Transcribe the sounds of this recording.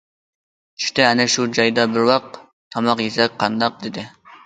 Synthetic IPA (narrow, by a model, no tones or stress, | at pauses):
t͡ʃʰy̥t̪ɛɛnɛʃud͡ʒɑjd̪ɑbɪɾwɑq̚ | t̪ʰɑmɑqjesɛk̚ʲqʰːɑnd̪ɑq̚d̪ɪd̪ɪ